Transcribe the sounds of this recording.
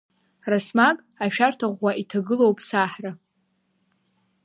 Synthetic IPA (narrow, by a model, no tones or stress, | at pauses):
rasmakʼ | aʃᶣartʰaʁʷːaʔitʰaɡɨlowpʼsaħra